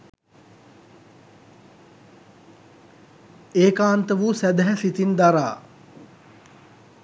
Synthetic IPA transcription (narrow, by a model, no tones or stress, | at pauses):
eːkaːnt̪əʋuːsæd̪æɦɛfit̪ind̪aɾa̰ː